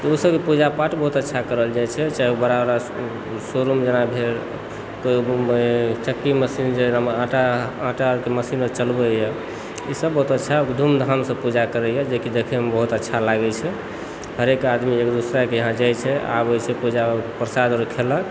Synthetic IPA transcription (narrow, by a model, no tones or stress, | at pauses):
t̪ɔusəbkepud͡ʒapaʈbəɦut̪ətːʃʰakəɾəld͡ʒajt͡ʃʰɛt͡ʃaiubəɾabɾa | soɾumd͡ʒənabʱeɾ | ko | t͡ʃəkːiməsind͡ʒenaãʈaãʈaɾkeməsinət͡ʃəlbəjɛ | isəbːəɦut̪ətːʃʰakd̪ʱumd̪ʱansəpud͡ʒakəɾɛjɛd͡ʒekid̪ekʰɛmebəɦut̪ətːʃʰalaɡɛt͡ʃʰɛ | həɾekad̪miekd̪usɾakeəɦãd͡ʒajt͡ʃʰɛa̰bojt͡ʃʰɛpud͡ʒapɾəsad̪ɾkʰelək